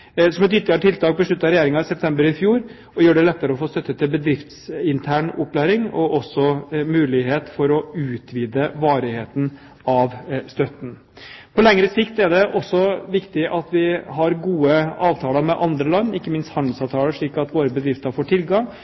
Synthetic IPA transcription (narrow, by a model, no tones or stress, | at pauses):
sɔmɛt̪ʏt̪ːɑʈ̪ʰɪlt̪ɑːɡ̚bəʂɭʉt̪ːɑɾɛjeːɾɪŋɑsɛp̚t̪ʰɛmbəɾɪfjuːɾ | ɔjøːɖɛlɛt̪ːəɾəɔfoːst̪œt̪ːət̪ʰːɪlbəd̪ɾɪft̪sɪnt̪ʰæːɳʊpʰːlæːɾɪŋɔʔɔsːɔmʉːlɪɦeːt̪fɔɾɔʉːt̪ʋiːd̪əʋɑːɾɪheːt̪n̩ | ɑʋst̪œt̪n̩ | pʰɔlɛŋɾəsɪkt̪ɛɖɛʔɔsːɔʋɪkt̪ɪʔɑt̪ʋɪɦɑɾɡuːəɑːʋt̪ʰɑːləɾmɛʔɑnd̪ɾəlɑnːɪkːəmɪnst̪hɑnd̪lsɑʋt̪ʰɑːləʂɭiːkɑt̪ʋoːɾəbəd̪ɾɪft̪əɾfoːʈʰɪlɡɑŋ